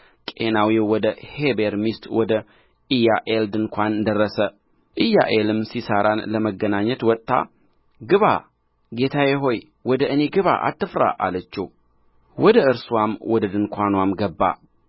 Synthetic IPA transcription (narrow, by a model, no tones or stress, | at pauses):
kʼenawiwɔd̪əhebeɾmist̪wɔd̪ə | ʔɨjːaʔeld̪ɨŋkʷʰand̪ərːəsə | ʔɨjːa̰ʔelɨmsisaɾanləməɡːənaɲːɛt̪wɔt̪ʼːa̰ | ɡɨβa̰ | ɡe̞t̪ʰajɛɦo̞j | wɔd̪əʔɨne̞ɡɨβa̰ʔa̰t̪ːɨfɾa̰ʔalət͡ʃːɛw | wɔd̪əɨɾswamwɔd̪əd̪ɨŋkʷʰanwamɡəbːa̰